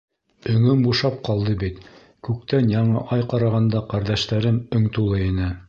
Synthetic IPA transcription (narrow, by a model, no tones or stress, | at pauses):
ɵ̆ŋɵmbuʃɑp̚qɑlˠd̪ɤbit̪ | kʉk̚t̪ænjɑɴɤʔɑjqɑɾɑʁɑnd̪ɑqæɾðæʃt̪æɾɘmɵ̆ŋt̪ulˠɤinɘ